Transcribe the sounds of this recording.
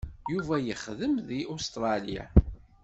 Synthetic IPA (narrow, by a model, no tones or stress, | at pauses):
juvæjəχðəmðiʔust̪ɾˤɑlia̰